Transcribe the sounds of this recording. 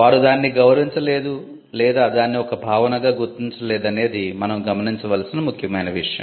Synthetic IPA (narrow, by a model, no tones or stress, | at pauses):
ʋaːɾud̪aːnːiɡɐwɾɐʋiɲt͡ʃɐle̞ːd̪u | lɛːd̪aːd̪aːnːiɔkɐbʱaːʋɐnɐɡaːɡuɾt̪iɲt͡ʃɐlɛːd̪ɐne̞ːd̪imɐnɐmɡɐmɐniɲt͡ʃɐʋɐlɐsinɐmukʰjɐmɐjnɐʋiʂɐjɐ̰